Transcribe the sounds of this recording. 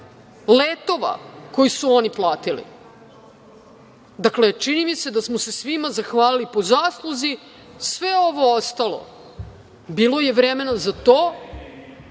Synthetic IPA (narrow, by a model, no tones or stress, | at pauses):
leːt̪o̞ʋa̰ko̞jisuo̞niplˠaːt̪ilḭ | d̪akle̞t͡ʃinimise̞d̪asmose̞sʋimazaxʋaːlilipo̞zaːslˠuzi | sʋe̞o̞ʋo̞ost̪alˠo̰ | bilo̞je̞ʋɾeme̞nazat̪oː